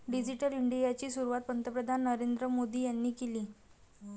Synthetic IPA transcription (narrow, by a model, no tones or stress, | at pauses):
ɖid͡ʑiʈəliɳɖijat͡ɕiːsuɾuʋat̪̚pənt̪əpɾəd̪ʱanːəɾend̪ɾəmod̪iːjanːiːkeliː